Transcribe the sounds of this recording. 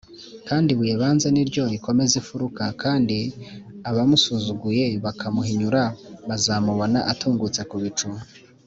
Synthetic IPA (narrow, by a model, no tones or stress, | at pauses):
kaːndiβujeβaːnzeniɾɟo̞iko̞me̞zifuɾukakʰaːndiaβamusuzuɡuje̞βakʰamuɦiɲuɾaβazamuβo̞na̰ʔatʰuːŋɡut͡sekuβit͡ʃu